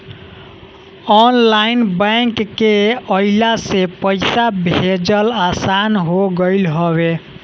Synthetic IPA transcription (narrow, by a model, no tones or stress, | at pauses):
ɔnlainbə̃ŋkːeəilasepəɪsabʱed͡ʒəlasanɦoɡəɪlɦɔβe